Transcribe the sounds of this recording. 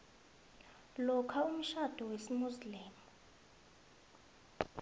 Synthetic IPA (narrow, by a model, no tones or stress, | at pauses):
lɔkʰaum̩ʃad̥ʱɔwesimusliːmu